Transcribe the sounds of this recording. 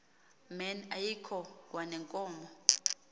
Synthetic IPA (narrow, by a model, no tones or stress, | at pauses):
mɛnajikʰɔkʼwanɛŋkʼɔːmɔ